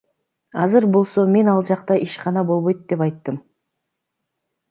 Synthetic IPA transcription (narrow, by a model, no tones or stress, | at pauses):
ɑzɯɾbo̞lˠso̞me̞nɑlˠd͡ʒɑqt̪ɑʔiʃqɑnɑbo̞lˠβo̞jt̪̚d̪e̞pɑjt̪ːɯm